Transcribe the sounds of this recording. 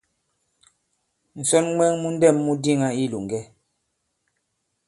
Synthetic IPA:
n̩˨sɔ˦nŋwɛ˦ŋmu˦n̩˦dɛ˦˨mːu˦di˦ŋa˦i˦lu˨ŋ˨ɡɛ˦

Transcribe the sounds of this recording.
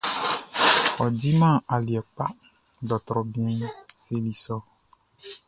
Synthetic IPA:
ɔ˨di˦mã˦˨a˨li˨ɛ˨k͡pa˦ | dɔ˨t̪ɾɔ˨bi˦ɛ̃˦se˦li˦sɔ˦

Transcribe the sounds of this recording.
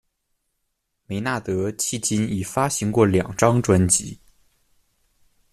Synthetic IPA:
me˧˥ɪna˥˩t̪ɤ˧˥t͡ɕʰi˥˩t͡ɕi˥ni˨˩fa˥ɕi˧˥ŋkwɔ˥˩ljɑ˨˩ŋʈ͡ʂɑ˥ŋʈ͡ʂwa˧˥nt͡ɕḭ˧˥

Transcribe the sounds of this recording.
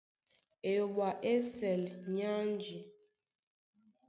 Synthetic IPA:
e˨jo˨ɓa˨ʔe˦sɛ˨lɲa˦n˦d͡ʒi˨

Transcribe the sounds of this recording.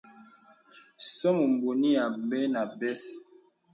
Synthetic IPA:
sɔ˦mu˨m˨bo˨ni˦ja˨bɛ˦na˨bɛ˦s

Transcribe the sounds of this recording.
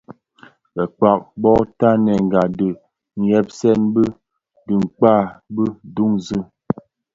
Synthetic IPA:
kɛ˨k͡pa˨k̚bɔ˦ta˦nɛ˨ŋ˨ɡa˨də˨ | ŋ̩˨jɛ˦p̚sɛ˦nbə˦ | dɨ˨ŋ̩˨k͡pa˦˨bə˦du˦ŋzɨ˦

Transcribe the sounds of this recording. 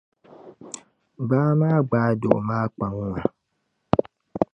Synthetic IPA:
baː˦maː˦ɡ͡ba˨˦do̰˨maː˦k͡pa˨ŋ˦a˨

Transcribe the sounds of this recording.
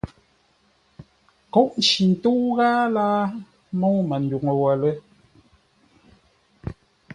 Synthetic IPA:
kɔ˦ʔn˨t͡ʃi˨n̩˨tu˦ɣaː˦laː˦ | mo˦mə˨n̩˨du˨ŋə˨wə˨lə˦

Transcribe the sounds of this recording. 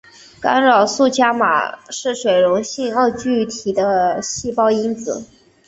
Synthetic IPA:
ka˥nɻɑ˨˩ʊsu˥˩t͡ɕja˥ma̰˨˩ʂɻ̩˥˩ʂwe˨˩ɪɻʊ˧˥ŋɕi˥˧ŋə˥˧ʊt͡ɕy˥˩t̪ʰi˨˩d̪ə˦ɕi˥˩pɑ˥ʊi˥nt͡sɹ̩˨˩˦

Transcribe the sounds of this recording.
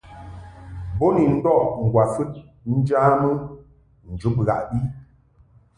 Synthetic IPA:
bo˦ni˨n̩˦dɔ˦˨ʔŋ̩˨ɡwa˨fɨ˦t̚ | n̩˦d͡ʒaː˦mə˦ | n̩˨d͡ʒu˨˦p̚ɣa̰˨ʔɗi˦

